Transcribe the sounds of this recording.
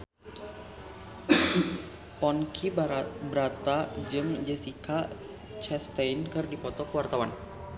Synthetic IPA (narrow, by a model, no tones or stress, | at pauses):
pɔnkʰibəɾat̪ad͡ʒɨŋd͡ʒəsikʰa | t͡ʃɛst̪ajnkɨrdipɔt̪ɔkəwart̪awan